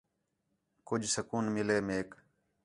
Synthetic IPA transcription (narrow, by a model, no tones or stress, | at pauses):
kʊd͡ʒʱsəkuːnmɪleːmeːk